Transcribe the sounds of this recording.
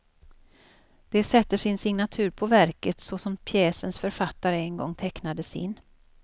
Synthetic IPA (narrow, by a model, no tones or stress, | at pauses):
d̪̥ɛsɛt̪ːəʂɪnsɪŋnat̪ʰʉ̟ːɾpʰɔvæɾkət̪sɔsɔmpʰjɛːsənsfœɾfat̪ːaɾəɛnɡɔ̰ŋːt̪ʰɛknad̪əsɪ̰nː